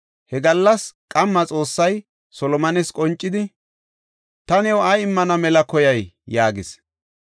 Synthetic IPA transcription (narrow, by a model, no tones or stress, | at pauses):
hɛɡɐlːɐskʼɐmːɐt͡sʼo̞ːsːɐj | sɔlɔmɐnɛskʼɔnt͡ʃʼːɪd̪ɪ | t̪ɐnɛwɐjɪmːɐnɐmɛlɐkɔjɐjjaːɡɪs